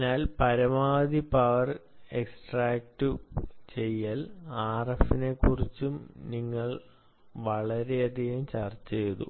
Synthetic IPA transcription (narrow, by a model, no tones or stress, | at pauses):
naːlpɐɾɐmaːd̪ipɐʋɐre̞ksʈraːk̚ʈɨt͡ɕe̞jːaːlaːrɐfine̞kːurit͡ɕːumniŋːɐɭ | ʋɐɭɐɾe̞ɐd̪ʱiɣɐmt͡ɕɐrt͡ɕːejðṵ